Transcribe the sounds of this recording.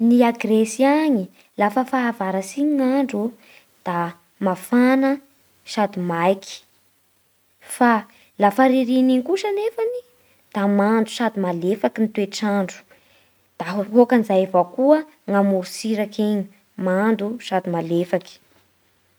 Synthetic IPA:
niaɡresiaɲi | lafəfaːvaɾasiɲŋaɳɖ͡ʐu | d̪̥a | mafanə | ʃad̪imajki̥ | fa | lafaɾiɾiniŋkuʃənefani | d̪̥amand̪u̥ʃad̪imalefakinit̪weʈ͡ʂaɳɖ͡ʐu̥ | d̪̥aɦɦokanizajavakuə | ŋamuɾusiɾakeɲi̥ | mand̪uʃad̪imalefaki̥

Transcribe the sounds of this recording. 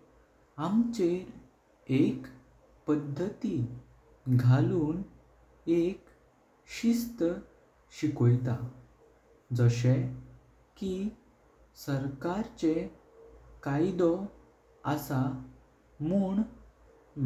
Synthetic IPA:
amt͡ɕeɾ | ek | pəd̪ʱːət̪i | ɡʱaluːn | ek | ɕist̪ə | ɕikojt̪a | d͡zəɕe | ki | səɾkaɾt͡ɕe | kajd̪ɔ | əsa | muːɳ

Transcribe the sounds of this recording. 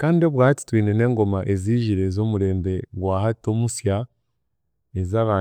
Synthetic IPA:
kaːndio̞βwaːati̥twiːne̞ne̞ːŋɡo̞maʔeziːʒiɾe̞zo̞ːmuɾe̞ːmbe̞ɡwaːhato̞ːmusja | ezaːβaː

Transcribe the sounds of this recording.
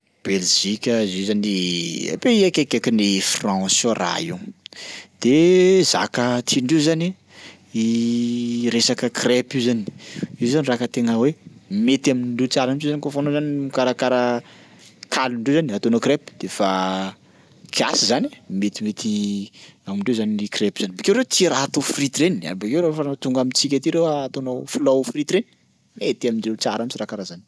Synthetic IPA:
b̥elʒikʲəizezania̰peiakekekinifrãsora̰iw | d̪̥eza̰kət̪ʰiɳɖ͡ʐiuzani | i | ɾesakəkrepizani̥iwzanirakət̪eŋəwemet̪aminɳɖ͡ʐit͡saɾanʈ͡ʂizanikofanozanimikaɾakaɾa | kalunɳɖ͡ʐewzaniat̪onokɾepi̥d̪̥efa | kʰia̰sizanamet̪imet̪i | aminɳɖ͡ʐewzaniikrepizanbakewɾewt͡siɾaɦat̪ofrit̪ɾenia̰bakewɾefat̪uŋɡamit͡sik̬ʲat̪iɾewaat̪onoflawfrit̪ɾeni̥ | met̪amind͡ʒet͡saɾamit͡ʃirakaɾazani̥

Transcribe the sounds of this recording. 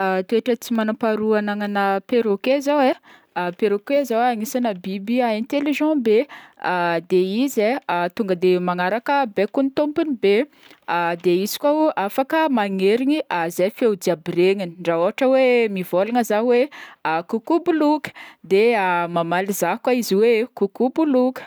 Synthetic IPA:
at̪ueʈ͡ʂət͡simanapaɾuanaŋanəpeɾokezawe | peɾokezawaŋisanəbibiaɛ̃nt̪eliʒɑ̃bead̪eizeat̪uŋɡəd̪emaŋaɾakəbekunit̪ompunibe | ad̪eizi̥kʷauʔafakəmaŋeɾiɲiʔazajfewd̪iabiɾeŋiniɳɖ͡ʐaoɦaʈ͡ʂəwemivolaŋəzaweakukubulukə̥d̪eamamalizakwaiziwekukubulukə̥

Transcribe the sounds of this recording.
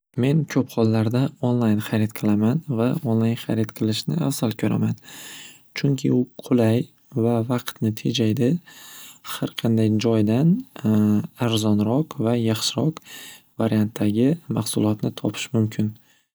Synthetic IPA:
me̞nkʲʰɵpχɒlˠːaɾd̪aonlˠajnχɑɾɪt̪qʰɨlˠamanvaonlˠajnχɑɾɪt̪qʰɨlˠɪʃnɪafsalˠkʲʰɵɾa̰man | t͡ʃʰʊŋkʲʰɪʊqʰʊlaj | vavɑqt̪nɪt̪ʰe̞d͡ʒajd̪ɪ | haɾqʰɑnd̪ajd͡ʒɒjd̪an | aɾzɒnɾɒqvajɑχʃɪɾɒq | vaɾijant̪ʰːaɡʲɪmɑχsʊlˠɒt̪nɪt̪ʰɒpʰɪ̥ʃmʊmkʲʰɪn

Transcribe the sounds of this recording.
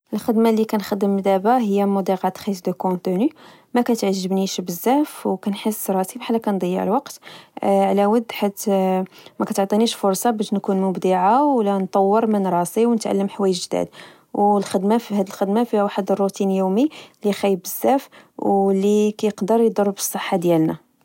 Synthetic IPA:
ʔəlxəd̪malːikænxəd̪ːəmːd̪æbaɦəjːæmʊd̪ˤiɣɑt̪xisd̪əkõt̪əny | mækæt̪ʕʒːəbniʃbəzːæfwkænħəsːɾˤɑsibħalːækænd̪ˤɑjːə̰ʕlwɑqt̪ʕlæwəd̪ːħat̪ | mækæt̪ʕt̪ˤiniʃfʊɾˤsˤɑbæʃnkunmʊbd̪iʕawlænt̪ˤɑwːəɾmənɾˤɑsiwnət̪ʕa̰lːəmħwæjəʒd̪æ̰d̪ | wlxəd̪mafhæd̪əlxəd̪mafiwaħəd̪ərˤːut̪injumilixæjːəbəzːæfwlːikæjəqd̪əɾjd̪ɑrˤːbə̥sˤːəħːad̪jælnæ̰

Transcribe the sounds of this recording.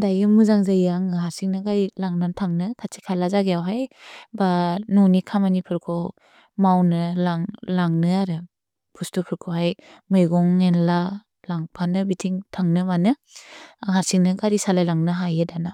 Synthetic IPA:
dajɯmuzaŋzajaŋaɦaɾsiŋnɯɡaɾilaŋnantʰaŋnɯkʰat͡ʃʰi̥kʰalazaɡejawɦajbanunikʰamanipʰɯɾkʰɔ | mawnɯlaŋlaŋnɯaɾɯ | pʰustupʰɯɾkʰoɦaj | mɯjɡɔŋːenla | laŋpʰanɯbitʰiŋtʰaŋnɯmanɯ | aɦaɾsiŋnɯɡaɾisalajlaŋnɯɦajedana

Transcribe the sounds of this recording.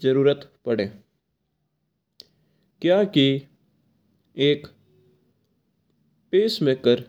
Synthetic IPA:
d͡ʒəɾuːɾət̪pɐɽẽː | kjaːki | eːk | peːsmẽkəɾ

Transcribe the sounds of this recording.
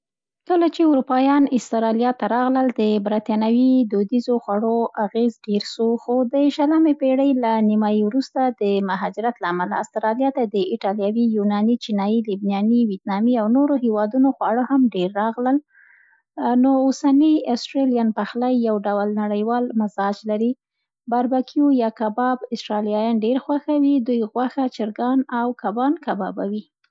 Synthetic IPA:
kəlat͡ʃeʊɾupɑjɑnɪst̪ɾɑlijɑt̪aɾɑɣləld̪əbɾat̪jɑnawid̪od̪izoxwaɽoaɣezɖeɾʃoxod̪əʃaləmepeɽəjlanimɑiwɾust̪ad̪əmaɦɑd͡ʒɪɾat̪laːmala̰ːst̪ɾɑlijɑt̪ad̪əɪʈɑljɑwijunɑnit͡ʃinɑjilibnjɑniwit̪̚nɑmiawnoɾohewɑd̪unoxwɑɽəhamɖeɾːɑɣləl | noosaniasʈɾelijanpaxlajːawɖawlnaɽəjwɑlmɪzɑd͡ʒlaɾi | baɾbakʰiojɑkabɑbɪsʈɾɑljɑjɑnɖeɾxwaxawid̪ujɣwaxat͡ʃɪɾɡɑnawkabɑnkabɑ̰ba̰wi

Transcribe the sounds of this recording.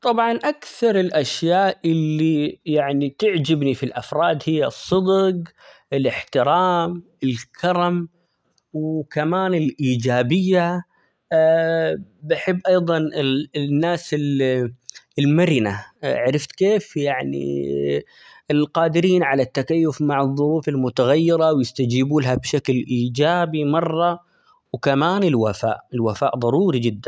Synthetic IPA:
t̪ˤɑbʕɑnʔakθɑɾˤɪlʔaʃjaːʔʔɪlːijaʕnit̪ɪʕd͡ʒɪbnifilʔa̰fɾˤɑːd̪hɪjːasˤːɨd̪q | ɪlɪħt̪ɪɾɑːm | ɪlkʰɑɾˤɑm | wkamaːnɪlʔiːd͡ʒaːbɪjːa | bɪħɪbːʔɑjðˤɑnɪnːaːsɪl | ɪlmaɾɪnaʕaɾɪft̪keːfjaʕnḭ | ɪlqɑːd̪ɪɾiːnʕalat̪ːakajːʊfmaʕɨðˤːʊɾuːfɪlmʊt̪aɣajːɪɾɑwjɪst̪ad͡ʒiːbuːlɦabʃaklʔiːd͡ʒaːbimɑrˤːɑ | wkamaːnɪlwafa̰ːʔɪlwafa̰ːʔðˤɑɾˤuːɾid͡ʒɪd̪ːan

